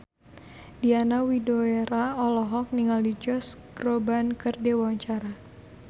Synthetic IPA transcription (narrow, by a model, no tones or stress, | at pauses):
dianawidoeɾaɔlɔɦɔk̚niŋalid͡ʒɔsɡ̥robankərdewaɲt͡ʃaɾa